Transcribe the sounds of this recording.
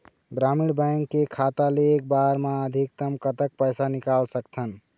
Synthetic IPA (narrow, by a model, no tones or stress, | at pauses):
ɡɾamiɽbəjŋkːekʰat̪aleːk̚baɾmaəd̪ʱik̚t̪əmkət̪ək̚pəjsanikalsəkt̪ʰən